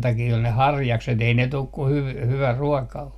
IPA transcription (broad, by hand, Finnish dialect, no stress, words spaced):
tɑkiː ol ne hɑrjɑkset ei ne tuk ku hyʋ hyʋæ ruɔkɑ o